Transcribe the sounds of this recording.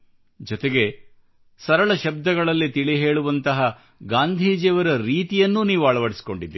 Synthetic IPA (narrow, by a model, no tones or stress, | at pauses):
d͡ʒɔt̪eɡe̞ | sɐɾɐɭɐʃɐb̚d̪ɐɡɐɭɐlːit̪iɭiɦe̞ːɭuʋɐnt̪ɐɦɐ | ɡaːnd̪ʱiːd͡ʒɛːʋɐɾɐɾiːt̪ijɐnːuniːʋuɐɭɐʋɐɽisi̥ko̞ɳɖid̪ːi